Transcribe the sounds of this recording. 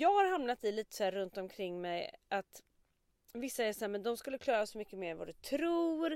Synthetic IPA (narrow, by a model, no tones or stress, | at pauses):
jɑːɡhaɾɦamnat̪ɪliːt̪ə̥sɔhæːɾɵnt̪ɔmkʰɾɪŋːmɛjʔat̪ | vɪsːaɛʂɔæːmɛnd̪ɔmskɵlːəkʰlɑːɾasɔmʏkːəmeːɾɛnva̰d̪ɵt̪ʰɾuːɾ